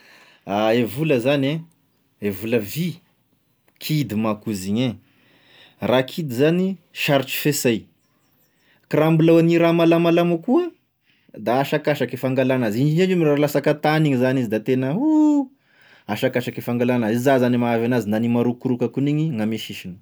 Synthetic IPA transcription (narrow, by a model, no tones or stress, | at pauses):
aevuləzane | evuləvi | kʰid̪imakuziɲe | rakʰid̪izaniʃaɾit͡ʃi̥fesaj | krambulawaniɾamalamalamakuə | d̪aːʃakaʃakefaŋɡalanazid͡ʒinad͡ʒumiɾalasakət̪aniɲizanizid̪at̪enəɦu | aʃakaʃakefaŋɡalanəizazanimaavanazinanimaɾukuɾukakuniɲiŋameʃiʃinə̥